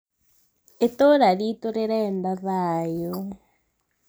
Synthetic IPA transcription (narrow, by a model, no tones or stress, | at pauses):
etoɾaɾitoɾeɾɛndaβajo